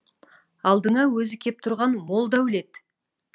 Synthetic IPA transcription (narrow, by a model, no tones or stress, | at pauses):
ɑlˠd̪əŋɑwɵzɪkʲʰe̞p̚t̪ʰʊɾʁɑnmo̞lˠd̪æwɪle̞t̪